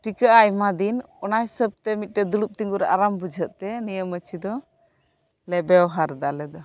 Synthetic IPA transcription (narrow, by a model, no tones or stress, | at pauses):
ʈikəʔajmad̪in | ɔnajsəb̚t̪ɛmit̪̚ˀʈɛd̪ulup̚t̪iŋɡuɾɛʔaɾambud͡ʒʱəʔ̚t̪ɛnijəmət͡ʃʰid̪ɔ | lɛbɛɔɦaɾd̪alɛd̪ɔ